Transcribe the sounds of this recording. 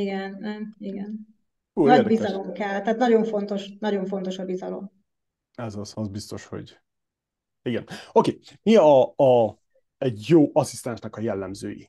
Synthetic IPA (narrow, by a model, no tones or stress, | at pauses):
iɡɛnniɡɛn | uːnɒedbizɒlo̞mkɛlt̪æːt̪nɒɟo̞ɱfo̞nt̪o̞ʃnɒɟo̞ɱfo̞nt̪oʃɒbizɒlo̞̰m | ɛzɒzɒzbist̪o̞ʃho̞̰ɟ | iɡɛnokeː | miɒː | ɛɟjoːʔɒsist̪ɛnʃnɛkɒjɛlːɛmzø̰ːjḭ